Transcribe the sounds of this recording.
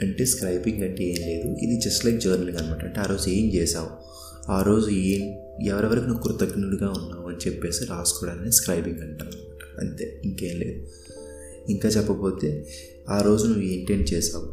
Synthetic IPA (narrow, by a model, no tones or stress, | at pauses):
ɐɳʈe̞ːskɾɐjbiŋɡɐɳʈeeːnle̞ːd̪uḭd̪id͡ʒɐsʈlɐjkd͡ʒɐːɾnilŋɡɐnɐmaːʈɐɐɳʈe̞aːɾo̞ːd͡ʒueːmt͡ʃɛːʃaːwu | aːɾo̞ːd͡ʒueːm | ɛʋɐɾiʋɐɾɐkunuukɾut̪ɐɡnuɽuɡaːunːaːuɐnit͡ʃɛpːeːsɐɾiaːsu̥kɔːɽaːneːskɾɐjbiŋɡɐɳʈaːnɐnmaːʈɐ̥ɐ̰nt̪e̞̰ːiŋkeːnlḛːd̪u | iŋkaːt͡ʃɛpːɐpo̞ːt̪e̞ː | aːɾo̞ːd͡ʒunuʋːuiɳʈeɳ̚t͡ʃɛːʃaːwu